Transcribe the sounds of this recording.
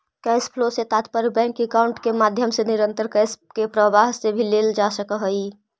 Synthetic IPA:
kɛspʰloset̪at̪pəɾbɛ̃ŋkekaʊɳʈkemad̪ʱjəmseniɾənt̪əɾkɛskepɾəʋaɦsebʱileld͡ʒasəkəɦəj

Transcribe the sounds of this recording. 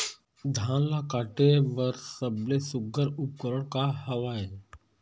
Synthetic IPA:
d̪ʱãːnlakaːʈeʋəɾsəblesʊɡəɾʊp̚kəɾəɽ̃kahəʋaːeː

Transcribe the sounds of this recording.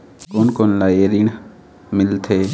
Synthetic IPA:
koːnkoːnlaːeːɾiːɳ | mɪlt̪ʰeː

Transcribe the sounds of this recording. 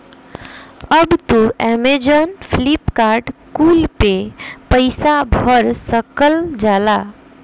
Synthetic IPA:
əbt̪uɛmed͡ʒənpʰlipkaɾɖkulpepəɪsabʱəɾsəkəld͡ʒala

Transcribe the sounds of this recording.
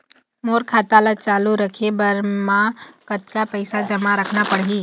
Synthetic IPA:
moːɾkʰaːt̪alat͡ʃaːluɾəkʰebəɾmãkət̪kapəɪsad͡ʒɐmaɾəkʰnapəɽɦiː

